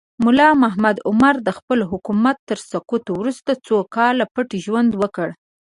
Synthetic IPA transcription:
mʊlɑmaɦmad̪ʊmaɾd̪əxpəlɦʊkumat̪ːəɾsakut̪owɾust̪at͡sokɑlːapəʈiʒwand̪wəkəɽ

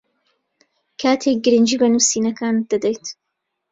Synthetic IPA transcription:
kʰaːt̪ʰek̚ɡɨɾɨnd͡ʒiːbɐnusiːnɐkʰaːnd̪̥ad̪ɐjt̪

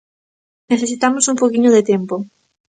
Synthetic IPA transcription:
neθes̬it̪amosumpowkiɲʊðet̪ɛmpo

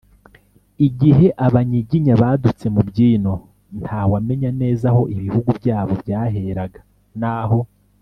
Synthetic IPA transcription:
iɟiɦe̞ʔaβaɲiɟiɲaβaːdut͡se̞mubɟiːno̞ | nthaːwame̞ɲane̞ːzaho̞ʔiβihuɡubjaːβo̞bjaːɦe̞ɾaɡa | naːɦo̞

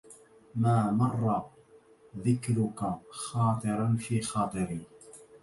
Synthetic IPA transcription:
maːmɑrˤːɑ | ðɪkɾʊkaxɑːt̪ˤɨɾɑnfiːxɑːt̪ˤɨɾiː

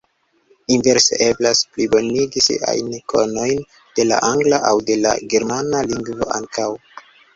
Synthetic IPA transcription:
inve̞ɾsḛʔe̞blasplibo̞niɡisḭʔa̰jnkʰo̞̰no̞jn | d̥e̞la̰ʔaŋɡlaʔawde̞la̰ɡe̞ɾmanaliŋɡvo̞̰ʔaŋkʰaw

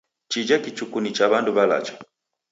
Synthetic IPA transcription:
t͡ʃid͡ʒakit͡ʃukunit͡ʃaβanduβala̰t͡ʃɔ̥

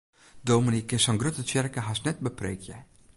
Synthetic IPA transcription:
domɪnikɛsɑŋɡɾøt̪ət͡ʃɛrkəɦasnɛt̚bəprḛjkʰjɛ

